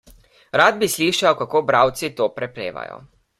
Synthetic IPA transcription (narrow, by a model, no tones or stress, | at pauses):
ɾaːd̪̚bisliːʃawkakoːbɾaːwt̪sit̪oːpɾɛpɾḛːʋa̰jɔ̰